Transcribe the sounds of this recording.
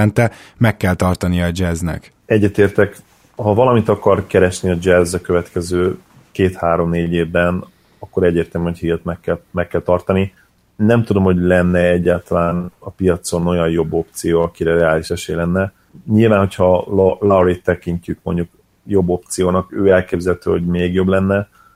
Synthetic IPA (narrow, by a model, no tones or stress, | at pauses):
ɛnt̪ɛmɛkːɛlt̪ɒrt̪ɒnijɒːd͡ʒɛznɛ̰k | ɛɟːɛt̪eːrt̪ɛk | hɒvɒlɒmit̪ɒkɒrkɛɾɛʃniɒd͡ʒɛzɒkøvɛt̪kɛzøː | keːt̪haːɾo̞mneːɟeːvbɛn | ɒkːo̞ɾɛɟːeːrt̪ɛlmymhochilt̪mɛkːɛlmɛkːɛlt̪ɒrt̪ɒni | nɛmt̪ud̪o̞mho̞ɟlɛnːɛɛɟːaːlt̪ɒlaːnɒpijɒt̪so̞no̞jɒnjo̞bːo̞p̚t̪sijoːɒkiɾɛɾɛaːliʃɛʃeːjlɛnːɛ | ɲilvaːnɦo̞cʰhɒllawɾit̪ːɛkiɲcykmo̞ɲɟuk | jo̞bːo̞pt̪sijoːnɒkøːɛlkeːbzɛlt̪øːho̞ɟmeːɡjo̞blɛnːɛ